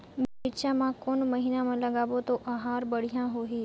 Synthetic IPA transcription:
beɪʃãmãkoːnmɐɦiːnamãlɐɠaːʋot̪oʔɐɦaːɾbəɽ̤ijãɦoɦiː

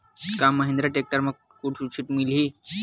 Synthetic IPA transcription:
kamːəɦẽnd̪ɾaʈek̚ʈaɾməɡ̚ | kuʈsut͡ɕʰiʈmili

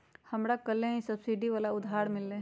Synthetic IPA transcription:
həmɾakəlẽɦĩsəbsiɖiʋaːlaʊd̪ʱɦaːɾmɪlːẽ

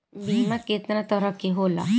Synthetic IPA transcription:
bimaket̪nat̪əɾəkiɦola̰

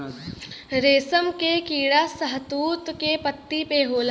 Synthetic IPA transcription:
ɾeːsəmkekiːɽasɐɦt̪uːt̪kepət̪ːipeɦoːl

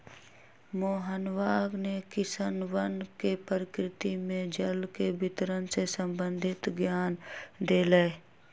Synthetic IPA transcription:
moːɦənʋaːɡnekɪsənwənkepəɾɪkɾɪt̪imẽd͡ʒəlkebʱɪt̪ɾənsesə̃mbə̃nd̪ʱɪt̪ɡjaːnd̪eːleː

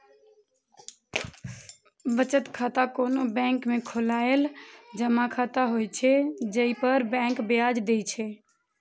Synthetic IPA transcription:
ʋət͡ʃət̪kʰat̪akoːnobɛ̃ŋkmẽkʰolaeld͡ʒəmakʰat̪aɦojt͡ʃʰɛd͡ʒəipəɾbɛ̃ːŋkbjad͡ʒd̪ejt͡ʃʰɛ

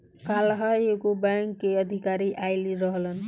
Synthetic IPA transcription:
kalɦajekobaŋkːeəd̪ʱikaɾiʔajliɾʌɦlən

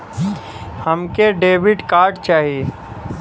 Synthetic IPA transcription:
həmkeɖeːʋɪɖkaːɾɖt͡ʃaːɦije

